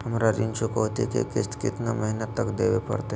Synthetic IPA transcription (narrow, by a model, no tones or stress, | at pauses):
əmɾaɾint͡ʃukowt̪ḭkḛkit̪kit̪naməɦinət̪ːəkd̪eʋepə̰ɾt̪e